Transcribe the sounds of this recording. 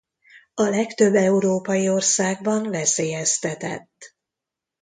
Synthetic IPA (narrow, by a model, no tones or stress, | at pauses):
ɒlɛkt̪ø̞bːɛuɾoːpɒjio̞rsaːɡbɒnlɛseːjɛst̪ɛt̪ɛ̰t̪ː